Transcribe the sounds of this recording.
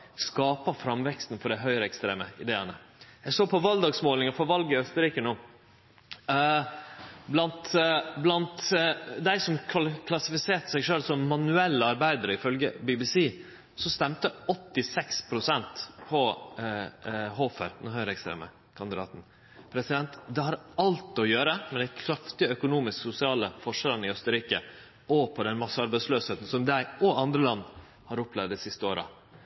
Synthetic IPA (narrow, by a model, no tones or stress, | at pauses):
skɑːpɑfɾɑmʋɛkst̪n̩fɔɖæɪɦœʏɾəɛkst̪ɾḛːməɪd̪eːənəjæɪsoːpʰɔʋɑld̪ɑːɡsmoːlɪŋɑfɔɾʋɑlɡəɪœst̪əɾiːkənoː | blɑnt̪blɑnt̪d̪æɪsɔmkʰɑlkʰlɑsɪfɪseːʈ̪ə̥sæɪʂøːlsɔmːɑnʉɛlːəɑɾbæɪd̪əɾəɪfœlɡəbibɪsiː | sɔst̪ɛmt̪əɔt̪ːɪsɛkspʰɾʊsɛnt̪pʰɔ | ɦoːfə̰ɾnʊhœʏɾɛkst̪ɾḛːmə̰ | kʰɑnd̪ɪd̪ɑ̰ːt̪n̩ | pʰɾɛsɪd̪ɛnt̪d̪ɛhɑɾɑlt̪ɔjøːɾəmɛd̪ækʰɾɑft̪ɪœkʊnuːmɪsksʊsɪɑːləfɔʂɛɾənɪœst̪əɾiːkə̰ | ɔpʰɔd̪ɛnmɑsəɑɾbæɪsløːsheːt̪ən̩sɔmd̪æɪɔɑnd̪ɾəlɑnː | hɑɾʊplɛʋd̪ɪsɪst̪əoːɾə̰